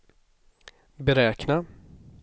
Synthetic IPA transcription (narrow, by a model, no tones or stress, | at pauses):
bɛɾɛːkna